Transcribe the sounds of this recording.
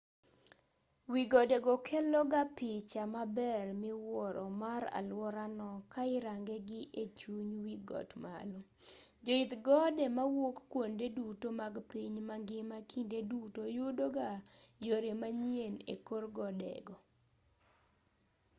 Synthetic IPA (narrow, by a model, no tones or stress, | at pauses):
wiɡɔdɛɡɔkʰɛlɔɡapɪt͡ʃamabɛrmɪwɔɾʔɔmaɾa̰lwɔɾanɔkaɪɾaŋɡɛɡɪʔet͡ʃuɲwiɡɔ̰tma̰lo | d͡ʒɔɪt̪ɡɔdɛmawokːwondedutomaɡpiɲmaŋɡɪmakindedutojudoɡajoɾemaɲienḛkorɡɔdɛ̰ɡɔ